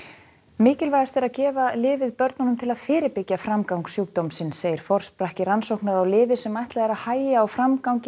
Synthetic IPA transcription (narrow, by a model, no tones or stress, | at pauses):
mɪːcɪlvajast̪ɛɾaðcɛːvalɪːvɪðpœɾt̪nɔnʏmt̪ʰɪlaðfɪːɾɪɾpɪcːafɾamkawŋksjuwk̚t̪owmsɪnseːjɪɾ̥fɔr̥spɾahcɪransowknaɾawlɪːvɪsɛmajht̪laðɛɾaðhaːjaːwfɾamkawɲcɪ